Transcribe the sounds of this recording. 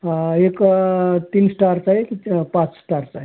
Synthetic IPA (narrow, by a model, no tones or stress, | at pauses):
ekt̪insʈaɾsaɦekipãt͡ssʈaɾt͡ʃaɦe